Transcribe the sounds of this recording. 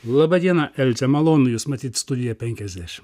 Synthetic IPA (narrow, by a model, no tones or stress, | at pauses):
lˠɐbɐd̪ʲiɛnɐʔɛlʲt̪ʲɛmɐlˠoːnʊjuːsmɐt̪ʲiːt̪st̪ʊd̪ʲɪjɛpʲɛŋʲkʲɛzʲd̪ʲæʃʲɪm